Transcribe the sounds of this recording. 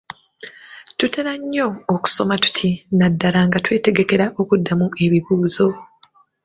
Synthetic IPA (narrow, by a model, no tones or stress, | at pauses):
tute̞ɾaɲːo̞ːku̥so̞matu̥tʰinadːalaŋɡatwe̞ːte̞ɡe̞ke̞ɾaʔo̞kudːamue̞βiβuːzo̞